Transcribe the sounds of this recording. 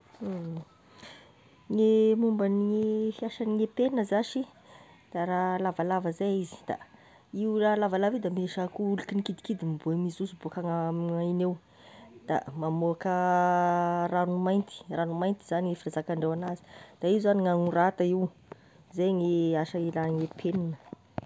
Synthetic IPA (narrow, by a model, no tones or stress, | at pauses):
ŋemumbəniŋefiaʃəniŋepenəzaʃi | d̪̥aɾalavalavəzejizi̥d̪̥a̰ | iwlalavalavid̪ameʃakuulukinikid̪i̥kid̪imibomisusubuakaŋaainew | d̪̥a̰mamoakə | ranumajnt̪i̥ranumajnt̪i̥z̥aniŋefiɾazakaɳɖ͡ʐewanazi̥d̪̥aizzaniŋaŋurat̪aiw | zejŋeaʃəilaŋepʰeninə